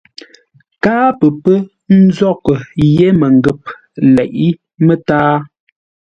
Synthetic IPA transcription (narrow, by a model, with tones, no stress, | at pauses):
kaː˦pə˨pə˦ | n̩˦zɔ˦˨kə˨je˦mə˨ŋ˨ɡə˨p̚ | lɛ˨ʔi˦ | mə˦taː˦